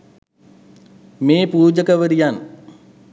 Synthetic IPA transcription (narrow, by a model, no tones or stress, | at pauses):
meːpuːd͡ʒəkəʋəɾijan